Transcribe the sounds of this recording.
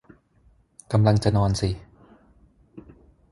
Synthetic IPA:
ka˧mla˧ŋt͡ɕa˨nɔː˧nsi˨˩˦

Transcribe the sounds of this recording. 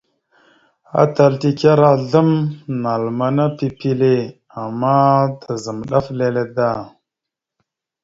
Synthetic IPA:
a̰˦ta˨lti˦ka˦ɾa˦ɮə˦mna˨lma˦na˦pi˦pi˦le˦˨ | a˨mːa˦ta˨zə˨mɗa˦fle˦le˦da˦˨

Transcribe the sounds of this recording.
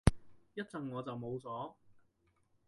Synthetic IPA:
jɐ˥t̚t͡sɐ˨ŋːɔː˨˧t͡sɐ˨wmo˨˧wt͡sɔː˨˥

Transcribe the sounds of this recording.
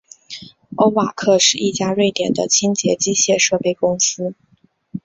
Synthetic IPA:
o˥ʊwa˨˩kʰɤ˥˧ʂɻ̩˥˧i˥˩t͡ɕja˥ɻwe˥˩ɪt̪jɛ˨˩nd̪ə̰˦t͡ɕʰi˥ŋt͡ɕjɛ˧˥t͡ɕi˥ɕjɛ˥˧ʂɤ˥˧pe˥˩ɪkʊ˥ŋsɹ̩˥

